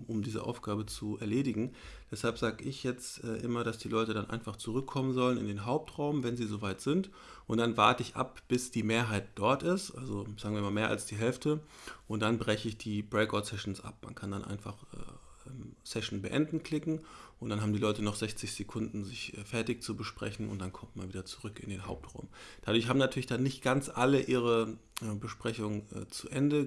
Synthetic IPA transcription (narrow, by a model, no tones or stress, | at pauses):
ʔʊmdiːzə̰ʔa̰ʊfɡ̥aːbət͡suʔɛ̰ɐleːdɪɡŋ̩d̥ɛshalpz̥aːɡəʔɪçjɛt͡stʔɛːʔɪmɐɾasd̥iːlɔʏtədanʔa̰ɪnfaχt͡suʁʏkʰːɔmənzɔlənɪ̰ndeːnɦaʊp̚tʁaʊmvɛnziːzovaɪtz̥ɪnt | ʔʊntd̥anva̰ɐtəɪçʔa̰p̚b̥ɪsd̥iːmeːɐɦaɪt̚d̥ɔɐtɪstʔalzozaːɡŋ̩viːɐɪmaːmeːɐʔa̰lsd̥iːɦɛlftʰəʔʊnt̚d̥anbʁɛçəɪçd̥iːbʁɛɪkɔtsɛʃn̩sʔa̰p̚ma̰nkʰandanʔa̰ɪnfa̰χʔɛ̰ː | ɛmsɛʃn̩bəʔɛ̰ndn̩kl̥ɪkŋ̩ʔʊntd̥anɦaːm̩diːlɔʏtənɔχz̥ɛçt͡sɪçz̥ekʰʊndn̩zɪçʔɛ̰fɛɐtɪçt͡subəʃpʁ̥ɛ̰çn̩ʔʊ̰ntd̥ankʰɔmtmanviːdɐt͡suʁʏkɪ̰ndeːnɦa̰ʊp̚tʁ̥a̰ʊmd̥adʊɐçhaːbmənatʰyɐlɪçd̥anːɪçtɡ̥ant͡sʔaləʔiːʁ̞əʔɛbəʃpʁ̥ɛçʊŋənɛ̰ːt͡suʔɛndə